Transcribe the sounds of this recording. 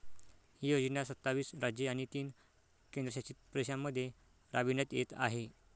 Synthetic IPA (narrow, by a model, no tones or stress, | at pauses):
hiːjod͡ʑnasət̪ːaʋiːsɾad͡ʑjeaɽ̃it̪iːn | kend̪ɾəɕat͡ɕiːt̪̚pɾeɕamːəd̪ʱːje | ɾabinət̪jet̪a̰ɦe